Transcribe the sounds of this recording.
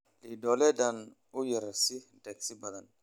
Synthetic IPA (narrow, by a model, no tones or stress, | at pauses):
lidɔlɛdan | ujiɾasidɛksibad̪an